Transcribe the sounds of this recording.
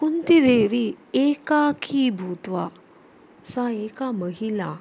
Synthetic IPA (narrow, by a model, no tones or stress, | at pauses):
kunt̪id̪eʋiekakʰibʱut̪ʋa | saekaməɦila